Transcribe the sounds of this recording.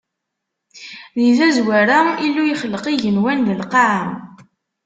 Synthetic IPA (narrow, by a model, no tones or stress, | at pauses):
ðiðæzwæɾailːujəχəlːəqiʝənwænðəlqɑʕa